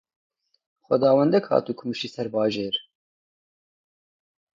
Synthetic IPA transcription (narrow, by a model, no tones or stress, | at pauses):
xʷɛd̪ɑːwɛnd̪ɛkhɑ̰ːt̪uːkʰʊmɨʃiːsɛɾbɑːʒeːɾ